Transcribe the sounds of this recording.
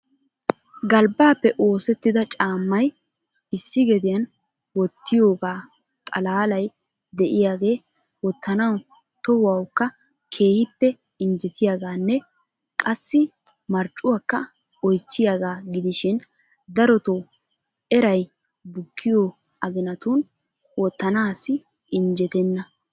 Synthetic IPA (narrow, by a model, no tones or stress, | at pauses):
ɡɐlbaːpːɛʔo̞ːsɛt̪ːɪd̪ɐt͡ʃʼaːmːɐj | ɪsːɪɡɛd̪ɪjɐn | wɔt̪ːɪjo̞ːɡaː | kʼɐlaːlɐj | d̪ɛʔɪjaːɡe̞ː | wɔt̪ːɐnɐw | t̪ɔhɐwkːɐ | kʰe̞ːhɪpːɛ | ɪnd͡ʒɛt̪ʰɪjaːɡaːnːɛ | kʼɐsːɪ | mɐɾt͡ʃʼːʊwaːkːɐ | ɔjt͡sːɪjaːɡaːɡɪd̪ɪʃɪn | d̪ɐɾɔt̪ow | ɛɾɐj | bʊkʰːɪjo | ɐɡɪnɐt̪uːn | wɔt̪ːɐnaːsɪ | ʔɪnd͡ʒɛt̪ɛnːɐ